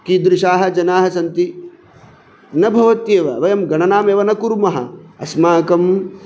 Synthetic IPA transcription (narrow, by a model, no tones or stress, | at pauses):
kid̪ɾɪʃaːɦɐ̆d͡ʒɐnaːɦɐsɐnt̪i | nɐbʱɐʋɐt̪jeːʋɐʋɐjɐmɡɐɳɐnaːmeːʋɐnɐkuɾmɐɦɐ̰ɐsmaːkɐm